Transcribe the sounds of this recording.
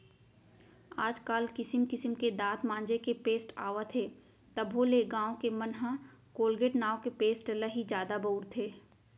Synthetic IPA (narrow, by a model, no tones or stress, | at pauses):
aːd͡ʒkaːlkɪsəmkɪsəmked̪aːt̪mãːnd͡ʒekepeːsʈaːʋət̪ʰeː | t̪ɐbʱɦoleɡãːõkemɐnɦãkoːlɡeʈnaːokepeːsʈləɦid͡ʒjaːd̪aboːɾt̪ʰeː